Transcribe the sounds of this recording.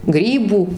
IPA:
ˈɡrʲiːbuː

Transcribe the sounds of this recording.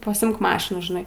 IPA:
pɐsʲɪˈɪmk ˈmɑːʃʲɪnuː ʒʲɪˈnɐɪ

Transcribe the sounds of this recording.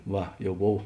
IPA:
ˈʋɐ jɛʊ ˈboːw

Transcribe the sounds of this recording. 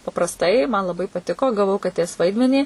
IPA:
pɐprɐsˈtɐɪ mɐn lˠɐˈbɐɪ pɐˈtʲɪkoː ɡɐˈʋɐʊ kɐˈtʲeːs ˈʋɐɪdʲmʲɛnʲiː

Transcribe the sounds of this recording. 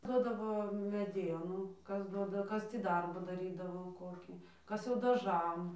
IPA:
ˈdoːdɐʋoː mʲɛˈdʲiɛnuː ˈkɐs ˈduɔdɐ ˈkɐs ˈtʲiː ˈdɐrbuː dɐˈrʲiːdɐʋoː ˈkoːkʲiː ˈkɐs jɛʊ dɐˈʒɐm

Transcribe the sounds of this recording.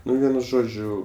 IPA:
ˈnʊ ˈʋʲiɛnʊ ˈʒoːd͡ʒʲʊ

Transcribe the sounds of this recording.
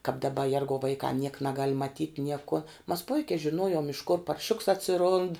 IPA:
kɑːp dɐˈbɐ ˈjɛrɡɐʊ ʋɐɪˈkɐm nʲiɛk nʲɛˈɡɐlʲ mɐˈtʲiːtʲ ˈnʲiɛkoː mɐs ˈpʊɪkʲɛɪ ʒʲɪˈnuɔjoːm ɪʃ kʊr pɐrʲˈʃʲʊks ɐtʲsʲɪˈrʊnt

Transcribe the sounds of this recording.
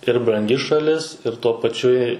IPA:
ɪr brɐŋʲˈɡʲɪ ʃɐˈlʲɪs ɪr tuɔ pɐˈt͡ʃʲʊ ɪ

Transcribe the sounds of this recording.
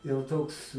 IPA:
jɛʊ ˈtoːks

